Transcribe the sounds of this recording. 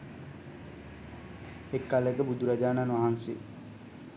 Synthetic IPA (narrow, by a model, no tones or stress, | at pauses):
ekːaləekəbud̪uɾad͡ʒaːnaːnʋaɦansḭ